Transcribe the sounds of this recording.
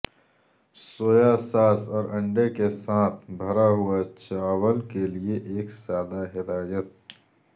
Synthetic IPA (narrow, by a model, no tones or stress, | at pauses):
soːjasaːsɔːɾɐ̃ɳɖekesãːt̪ʰbʱəɾaɦuat͡ʃaːwəlkelieʔeːksjaːd̪aɦɪt̪aːd͡ʒət̪̚